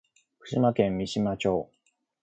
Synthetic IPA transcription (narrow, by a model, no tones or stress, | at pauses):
kɯ̟̥ɕimakẽ̞mːʲiɕimat͡ɕo̞ː